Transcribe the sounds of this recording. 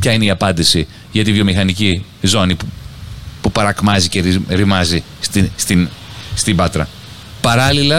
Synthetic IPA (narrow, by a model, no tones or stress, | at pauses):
pçɐineiɐpɐnd̪isi | ʝɐt̪ivjomixɐnicizo̞nipupupɐɾɐkmɐzice̞ɾiɾimɐzi | st̪ist̪inst̪ibɐt̪ɾɐ̰ | pɐɾɐlilɐ